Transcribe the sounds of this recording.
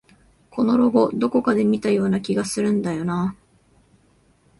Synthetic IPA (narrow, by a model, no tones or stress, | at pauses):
kʰo̞no̞ɾo̞ɡo̞d̪o̞ko̞kad̪e̞mʲit̪ajo̞ːnakʲiɡasɨɾɯ̟̃nd̪ajo̞na